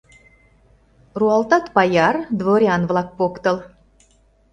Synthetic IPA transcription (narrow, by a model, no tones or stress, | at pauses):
ruɑlt̪ɑt̪pɑjɑrd̪voɾʲiɑnvlˠɑk̚pokt̪ɤ̆lˠ